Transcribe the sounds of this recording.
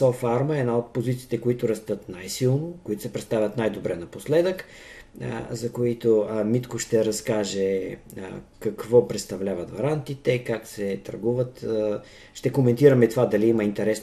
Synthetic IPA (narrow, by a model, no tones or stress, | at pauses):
sɔfaɾməɛd̪naot̪̚pozit̪siːt̪ɛkoit̪ʊɾɐst̪ət̪najsilˠnokoʊit̪ʊ̥sɛpɾɛt̪st̪avʲɐt̪najd̪obɾɛnɐposlɛd̪ək | zɐkoit̪omit̪koʃt̪ɛɾɐskaʒɛ̰ | kɐkvɔpɾɛt̪st̪ɐvlʲavɐt̪vɐɾant̪it̪ɛikaksɛt̪ɐ̰ɾɡuvət̪ | ʃt̪ɛkomɛnt̪iɾɐmɛt̪ovad̪ɐliimɐint̪ɛɾɛs